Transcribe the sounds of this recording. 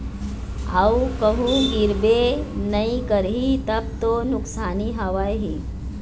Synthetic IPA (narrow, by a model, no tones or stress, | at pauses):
awukəɦuɡiɾbenɐĩkəɾɦit̪ɐb̚t̪onʊksaːniɦəʋajɦi